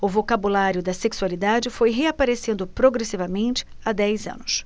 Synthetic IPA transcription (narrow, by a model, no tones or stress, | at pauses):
ʊvokabulaɾjʊd̪ɐseksualid̪ad͡ʒɪfojɦeapaɾesẽnd̪ʊpɾoɡɾesivɐmẽnt͡ʃɪ̥ | ad̪ɛjzɐ̰̃nʊs